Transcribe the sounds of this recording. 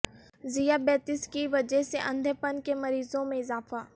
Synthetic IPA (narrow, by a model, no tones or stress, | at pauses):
zijabɛːt̪ɪskiʋɐd͡ʒɛɦseʔɐ̃nd̪ʱəpənkemɐɾiːzõmẽɪzaːfaː